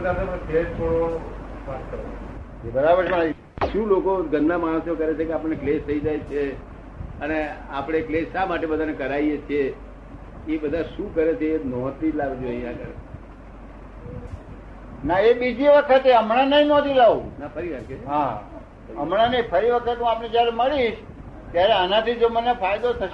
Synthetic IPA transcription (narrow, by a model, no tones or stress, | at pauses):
k̪asepəked͡ʒt̪ʰoɽo | ʋaskəɾo | d͡ʒebəɾabəɾə̃a | ʃũlokoɡənːamaɽ̃ə̃sokəɾet͡ʃʰekeapəɽneklest̪ʰəid͡ʒajt͡ʃʰe | əneapɽ̃eklesamaʈebəd̪ʱanekəɾaijet͡ʃʰe | ebəd̪ʱaʃũkəɾet͡ʃʰeːnɔ̃t̪ʰid͡ʒlaʋed͡ʒoəijãkəɾe | naebid͡ʒiʋəkʰət̪eəmɽ̃anəĩnɔt̪ʰilaũnapʰəɾiʋaeɦa | əmɽanə̃ĩpʰəɾiʋəkʰət̪nũapned͡ʒjaɾeməɭiʃ | t̪jaɾeənãt̪id͡ʒomənefajd̪ot̪ʰə